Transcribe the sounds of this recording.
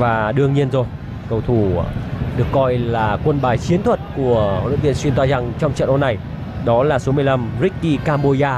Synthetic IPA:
vaː˨˩ɗɨ˧əŋɲi˧ənzo˨˩j | kə˧wt̪ʰu˨˧˩ɗɨ˨˩əkːɔ˧jlaː˨˩kwə˧nɓaː˧˩jt͡ɕi˨˦ənt̪ʰwə˨˩t̚ku˧˩əo̰˧˨nɨ̰˧˥vi˧ənswi˧nt̪waː˧za˧˩ŋt͡ɕɔ˧wŋ͡mt͡ɕə̰˧˨nʔo˧nːa˨˩j | ɗɔ˨˦laː˨˩so˨˦mɨ˧əjla˧mzï˦˥kkːi˧kaː˧mɓo˧zaː˧

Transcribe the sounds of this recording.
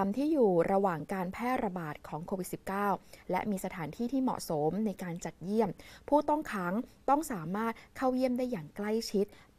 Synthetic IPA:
a˧mt̪ʰiː˥˩juː˨˩ɾa˧waː˨˩ŋkaː˧npʰɛː˥˩ɾa˧baː˨˩t̪̚kʰɔː˩˦ŋkʰoː˧wi˨˩t̪si˨˩p̚kaː˥˩wlɛ̰˦˥ʔmiː˧sa˧t̪ʰaː˩˦nt̪ʰiː˥˩t̪ʰiː˥˩mɔ̰˨˩ʔso˩˦mna˧jkaː˧nt͡ɕa˨˩t̪̚ji˥˩əmpʰuː˥˩t̪ɔ˥˩ŋkʰa˦˥ŋt̪ɔ˥˩ŋsaː˩˦maː˥˩t̪̚kʰa˥˩wji˥˩əmdaː˥˩jːaː˨˩ŋkla˥˩jt͡ɕʰi˦˥t̪̚

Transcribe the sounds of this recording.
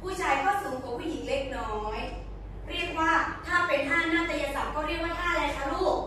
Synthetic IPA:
pʰuː˥˩t͡ɕʰaː˧jkʰwaː˥˩mso˨˩˦ŋkʰɔ˨˩˦pʰuː˥˩ji˩˦ŋle˦˥k̚nɔː˦˥j | ɾi˥˩ək̚waː˥˩t̪ʰaː˥˩pe˧nt̪aː˥˩nnaː˥˩t̪a˧ja˧sa˨˩˦mkɔː˥˩ɾi˥˩ək̚waː˥˩t̪ʰaː˥˩˨lɛː˧˥k̪ʰa˧ɾuː˥˩k̚

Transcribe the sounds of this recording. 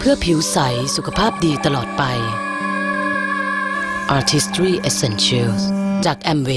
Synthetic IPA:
pʰɯ˥˩ɐpʰi˨˩˦wsa˩˦jsu˨˩kʰa˧pʰaː˥˩p̚diː˧t̪a˧lɔː˨˩t̪̚pa˧j | ʔaː˧t̪ʰi˦˥st̪ɾiː˥˩ʔe˧se˧nslst͡ɕaː˨˩k̚ʔɛ˧mweː˧

